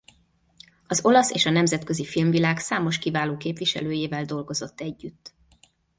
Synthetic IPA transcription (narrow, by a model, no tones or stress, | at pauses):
ɒzo̞lɒsḛːʃɒnɛmzɛt̪kø̞zifilmvilaːksaːmo̞ʃkivaːloːkeːpʋiʃɛ̰løːjeːvɛld̪o̞lɡo̞zo̞t̪ːɛɟːyt̪ː